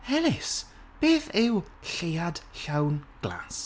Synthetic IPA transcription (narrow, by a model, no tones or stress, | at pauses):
hɛlɪs | b̥eːθɪw | ɬejad̥ɬawnɡ̥la̰ːs